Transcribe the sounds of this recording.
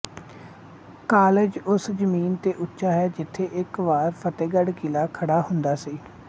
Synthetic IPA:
kaːled͡ʒʊsd͡ʒəmiːnt̪eːʔʊtːʃaːɦɛːd͡ʒɪt̪ʰːeːʔɪkʋaːɾpʰət̪eːɡəɖkilaːkʰəɽaːɦʊnd̪aːsiː

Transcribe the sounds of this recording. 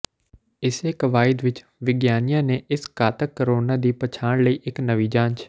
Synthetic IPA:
ɪseːkəʋaːɪd̪ʋɪt͡ʃ | ʋɪɡjaːnɪjãːneːʔɪskaːt̪əkːəɾoːnaːd̪iːpət͡ʃʰaːɽ̃ləiːʔɪknəʋiːd͡ʒãːɲt͡ʃ

